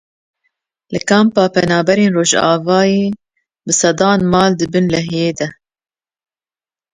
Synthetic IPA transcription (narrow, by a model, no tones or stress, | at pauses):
lɨkɑːmpɑːpɛnɑːbɛɾeːnroːʒɑ̰ːvɑːjeː | bɨsɛd̪ɑːnmɑːld̪ɨbɨnlɛɦjeːd̪ɛ